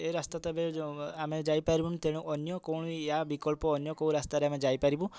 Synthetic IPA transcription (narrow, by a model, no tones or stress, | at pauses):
eɾast̪at̪abeamed͡ʒajpaɾibunt̪eɽ̃ũʔɔnjɔkɔwɽ̃jabikɔlpɔːnjɔkow̃ɾast̪aɾeamed͡ʒajpaɾibũ